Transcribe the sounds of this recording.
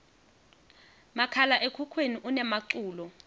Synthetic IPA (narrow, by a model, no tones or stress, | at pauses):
makʰalaʔekʰukʰweniʔunɛmaǀuːlɔ